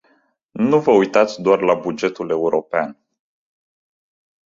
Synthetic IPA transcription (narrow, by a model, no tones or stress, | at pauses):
nuvəujt̪at̪sʲd̪oarlabud͡ʒe̞t̪ule̞uɾo̞pea̰n